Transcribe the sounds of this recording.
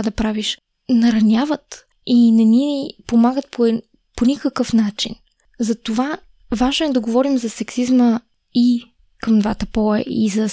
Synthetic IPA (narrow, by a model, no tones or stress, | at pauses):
d̪ɐpɾaviʃ | nɐɾɐnʲjavət̪ | inɛniipomaɡət̪̚po | ponʲikəkəfnat͡ʃḭn | zɐt̪ova | vaʒnoɛd̪ɐɡovɔɾimzɐsɛksizmə | i | kɐmd̪vat̪ɐpɔɛʔizɐ